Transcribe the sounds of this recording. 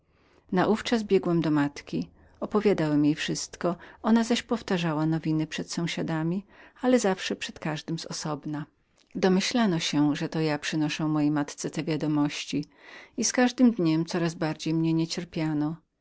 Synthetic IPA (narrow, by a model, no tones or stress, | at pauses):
naʔuft͡ʂazbʲjɛɡwɛmd̪ɔmat̪kʲi | ɔpɔvʲjad̪awɛmjejfʂɘst̪kɔɔnazaɕpɔft̪aʐawanɔvʲinɘpʂɛt̪sɔ̃w̃ɕad̪amʲialɛzafʂɛpʂɛt̪kaʐd̪ɘmzɔsɔbna | d̪ɔmɘɕlanɔɕɛʐɛt̪ɔjapʂɘnɔʂɛ̃w̃mːɔjejmat̪t̪sɛt̪ɛvʲjad̪ɔmɔɕt͡ɕi | iskaʐd̪ɘmd̪ɲɛmt̪sɔɾazbaɾd͡ʑejmɲɛɲɛt͡ɕɛɾpʲjanɔ